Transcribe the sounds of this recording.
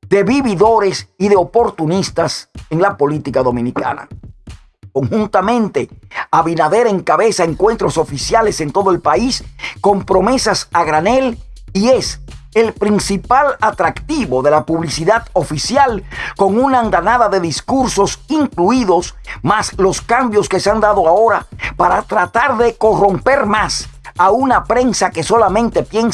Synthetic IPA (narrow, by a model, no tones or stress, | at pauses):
d̪e̞βiβiðo̞ɾe̞siðeo̞po̞ɾt̪unist̪aseŋlapo̞lit̪ikaðo̞mĩnika̰na̰ | ko̞ŋhunt̪amẽ̞nt̪e̞aβinaðe̞ɾaeŋkaβe̞saeŋkwe̞nt̪ɾo̞so̞fisjale̞sent̪o̞ðoelpaisko̞mpɾo̞me̞sasaɣɾane̞lie̞selpɾinsipalat̪ɾakt̪iβo̞ðe̞lapuβlisiðaðo̞fisjalko̞ŋunaːnd̪anaðaðe̞ðiskuɾso̞siŋkluiðo̞smaslo̞skambjo̞ske̞seand̪aðo̞ao̞ɾapaɾat̪ɾat̪aɾðe̞ko̞ro̞mpe̞ɾmasaunapɾe̞nsake̞so̞lamẽnt̪e̞pje̞n